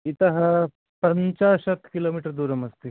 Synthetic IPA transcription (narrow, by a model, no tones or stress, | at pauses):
it̪ɐɦɐ | pɐɲt͡ʃaːsɐt̪ʰkiloːmiʈəɾd̪uːɾɐmɐst̪e